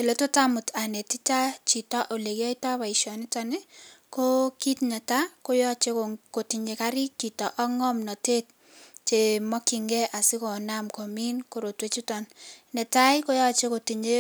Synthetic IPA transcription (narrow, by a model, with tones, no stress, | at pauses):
e˨lo˨to˦ta˦mʊ˨tʰa˨ne˨ti˦ta˦t͡ʃi˨tɔ˦ʔo˨le˨kɔ˦i˦ta˦ba˨ɪ˨ʃɔ˨nɪ˦ta˦ne˦ko˦ki˦tnɛ˨ta˦ko˦jɔ˦t͡ʃe˦ko˨ti˨ɲe˨ka˦ɾɪ˦k̚t͡ʃi˨tɔ˨ʔɔ˦ŋɔ˦mnɔ˨te˦t̚ | t͡ʃe˨mɔ˦ki˨ŋɡɛ˦ʔa˨sɪ˦ko˨na˦mko˨mi˦nko˨ɾo˨twe˨t͡ʃu˦tɔ˨nnɛ˨ta˦ɪko˦jɔ˦˨t͡ʃe˦ko˨ti˨ɲe˦